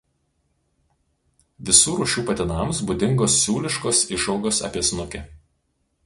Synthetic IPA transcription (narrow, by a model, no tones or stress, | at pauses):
ʋʲɪsuːɾuːʃʲuːpɐt̪ʲɪnɐˑms̬bʊd̪ʲɪŋɡoːsːʲuːlʲɪʃkoːsɪʃɒʊɡoːsɐ̰pʲiɛsnʊkʲɛ